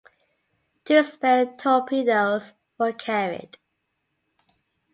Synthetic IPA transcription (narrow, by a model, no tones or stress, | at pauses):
dəspɛtʰɔpʰidəʊz | wəkʰæɹɪ̰d̥